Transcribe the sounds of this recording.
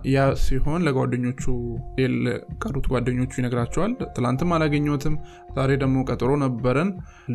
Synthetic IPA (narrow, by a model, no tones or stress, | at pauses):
jasiho̞nləɡʷwad̪ːəɲːo̞t͡ʃːujɛlkʼərːut̪ɡʷad̪ːəɲːo̞t͡ʃːjɪnəɡɾat͡ʃːɛwalt̪ʰɨlant̪ʰɨmːalaɡəɲːot̪ʰɨm | zaɾejd̪əɡmo̞kʼət̪ʼɨɾo̞nəbːəɾən